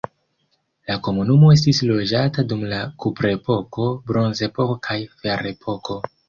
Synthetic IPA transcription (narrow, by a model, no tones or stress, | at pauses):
lako̞munumo̞e̞s̬tislo̞d͡ʒatadumlakupɾepo̞ko̞bɾo̞nze̞pokkʰajfeɾe̞pʰo̞kʰo̞